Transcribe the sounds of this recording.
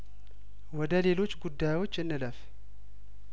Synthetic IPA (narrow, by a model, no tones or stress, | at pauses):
wɔd̪əle̞lot͡ʃːɡud̪ːajwot͡ʃːɨnːɨləf